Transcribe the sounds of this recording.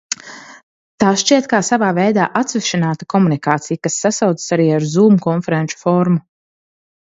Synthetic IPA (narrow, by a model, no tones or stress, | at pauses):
t̪aːsʃt͡ʃiɛt̪̚kaːsavaːvɛjd̪a̰ːʔat̪sviʃinaːt̪akɔmunikaːt̪sijkasːasawd̪zə̥saɾiːaɾzuːmukɔnfɛɾɛnt͡ʃu̥fɔɾmu